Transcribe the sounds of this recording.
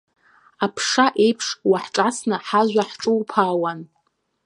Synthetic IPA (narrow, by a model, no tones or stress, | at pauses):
apʰʂaʔe̞jpʰʂwaħʈ͡ʂʼasnɨħaʒᶣʷaħʈ͡ʂʼɨwpʰaːwan